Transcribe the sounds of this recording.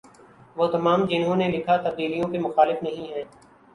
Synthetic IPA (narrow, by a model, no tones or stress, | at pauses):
ʋoːt̪ɐmaːmd͡ʒɪnɦõːnelɪkʰat̪ɐb̚d̪iːlijõkemʊxaːlɪfnɐɦĩɦɛ̃ː